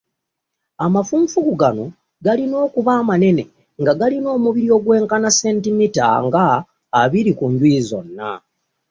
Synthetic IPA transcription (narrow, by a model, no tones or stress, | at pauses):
amafuːɱfukuɡano̞ | ɡalino̞ːkuβaːmane̞ne̞̰ | ŋɡaɡalino̞ːmuβiɾio̞ːɡwe̞ːŋkanase̞ːntimita̰ŋɡaː | βiɾikuɲɟwiːzo̞nːa̰